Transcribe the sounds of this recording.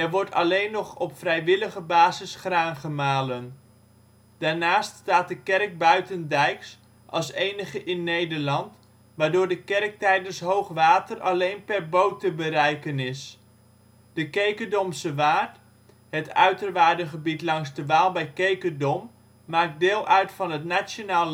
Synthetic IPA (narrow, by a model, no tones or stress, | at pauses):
ɛɹʋɔɹtɑ̰lejnːɔχɔpfrɛjʋɪləχəbaːzɪsχraːnχəmaːlən | d̥aːɹnaːststaːt̚dəkɛrk̚bœɥtəndɛjks | ʔɑ̰lˠsejnəχəʔɪnːejdəɹlɑnt | ʋaːɹdʊːɹdəkɛrk̚tɛjdənsɦowχʋaːtərɑlejnpɛrbowtəbəɾɛjkənɪs | d̥əkejkədɔmsəʋaːɹt | ɦətœ̰ɥtərʋaːɹdəχəbitlɑŋzdəʋaːlˠbɛjkejkədɔmː | aːk̚dɪːlˠʔœɥtfɑnɦətnaonaːl